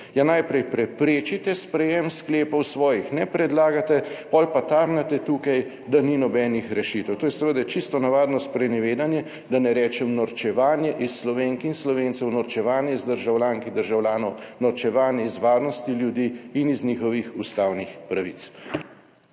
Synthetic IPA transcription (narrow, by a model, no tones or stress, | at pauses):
janajpɾɛjpɾɛpɾeːt͡ʃit̪ɛspɾɛjɛmskleːpɔwsʋɔːjixnɛpɾɛd̪laːɡat̪ɛpɔlpat̪aɾnat̪ɛt̪ukaj | d̪aninɔbɛːnixɾɛʃit̪ɛwt̪oːjɛsɛʋəd̪ɛt͡ʃist̪ɔnaʋaːd̪nɔspɾɛnɛʋeːd̪anjɛ | d̪anɛɾɛːt͡ʃɛmnɔɾt͡ʃɛʋaːnjɛʔisːlɔʋeŋkinslɔʋeːnt̪sɛwnɔɾt͡ʃɛʋaːnjɛizd̪əɾʒawljaːŋkid̪əɾʒawlʲjaːnɔwnɔɾt͡ʃɛʋaːnjɛizʋaːɾnɔst̪iljud̪iːnizniːxɔʋixust̪aːwnixpɾaʋḭt̪s